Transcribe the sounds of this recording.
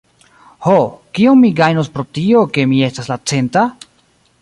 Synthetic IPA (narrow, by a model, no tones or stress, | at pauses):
hokionmiɡajnospɾo̞tio̞ke̞mie̞staslat͡se̞nta